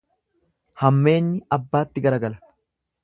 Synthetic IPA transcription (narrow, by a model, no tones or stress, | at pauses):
hɐmːe̞ːnːɪɐbːaːt̪ːɪɡɐɾɐɡɐlɐ̥